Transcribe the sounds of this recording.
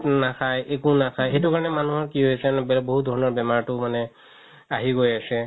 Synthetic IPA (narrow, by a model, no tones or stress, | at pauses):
nakʰajʔekʊnakʰajxejtukaɹɔnɛmanuɦɔɹkiɦojasɛanɛbɛlɔboɦut̚dʱɔɹɔnɔɹbɛmaɹtʊmanɛ | aɦiɡojasɛ